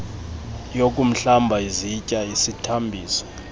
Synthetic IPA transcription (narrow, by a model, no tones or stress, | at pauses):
jokʼum̩ɬambʱaizicʼaisitʰambʱiːsɔ̥